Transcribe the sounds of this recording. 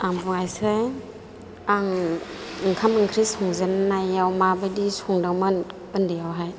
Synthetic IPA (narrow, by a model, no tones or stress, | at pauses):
aŋbuŋajsɯj | aŋ | ɯŋkʰamɯŋkʰɾisʰɔŋzennajawmabɯdisuŋdaŋmɯn | ɯndɯjawɦaj